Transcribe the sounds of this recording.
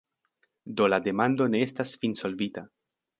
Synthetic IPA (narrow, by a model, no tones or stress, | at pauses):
do̞lade̞mando̞ne̞e̞stasfinso̞lvita